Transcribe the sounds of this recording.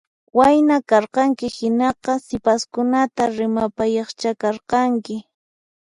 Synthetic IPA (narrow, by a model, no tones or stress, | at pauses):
wajnakɑɾqɑŋkɪhɪnɑqɑsɪpaskʊnat̪aɾɪmapajɑχt͡ʃakɑɾqɑŋkɪ